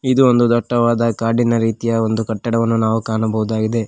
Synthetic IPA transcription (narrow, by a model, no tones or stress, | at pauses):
id̪uond̪ud̪ɔʈːɐʋaːd̪ɐkaːɖinɐɾiːt̪ijɐo̞nd̪ukɐʈːɐɽɐʋɐnːunaːʋukaːɳɐbɐɦud̪aːɡid̪e̞